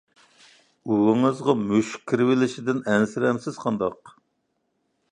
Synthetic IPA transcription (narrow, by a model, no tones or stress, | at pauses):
uwɪŋɨzʁɑmøʃkʲʰːiɾɪwɪlɪʃɪd̪ɪnɛnsɪɾɛmsɪz̥qʰɑnd̪ɑq̚